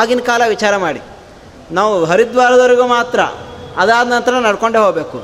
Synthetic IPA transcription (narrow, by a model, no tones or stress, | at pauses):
aːɡinkaːlɐʋit͡ʃaːɾɐmaːɽi | naːʋuɦɐɾid̪ʋaːɾɐd̪ɐʋɐɾiɡumaːt̪ɾɐ̰ɐd̪aːd̪nɐnt̪ɐɾɐnɐɽkoɳɖeɦoːɡbeːku